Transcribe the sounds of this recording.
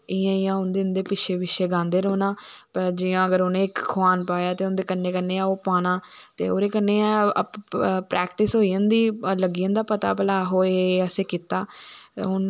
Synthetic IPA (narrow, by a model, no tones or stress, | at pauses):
ɪjãːɪjãːʊnd̪eːʊnd̪eːpɪʃʰeːbɪʃʰeːɡãːnd̪eːɾoːnaːpəɾd͡ʒɪjãːəɡəɾʊnẽːɪkkʰʊaːnpaːjaːt̪eːʊnd̪eːkənːeːkənːeːaːoːpaːnãːt̪ḛːo̰ːɾeːkənːeːaː | pɾʔɛːkʈɪsɦoːijə̃nd̪iːləɡiːə̃nd̪aːpət̪a̰ːpəlaːɦoːeəseːkiːt̪aːɦʊn